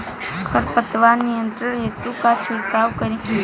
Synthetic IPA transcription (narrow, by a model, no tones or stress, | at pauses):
kʰəɾpət̪ʋanːijənt̪ɾəɾɦet̪ukat͡ʃʰiɾkaʋkəɾi